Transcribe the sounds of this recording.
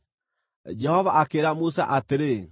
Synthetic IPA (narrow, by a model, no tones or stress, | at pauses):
d͡ʒɛhɔvaʔakeɾamusa̰ʔateɾe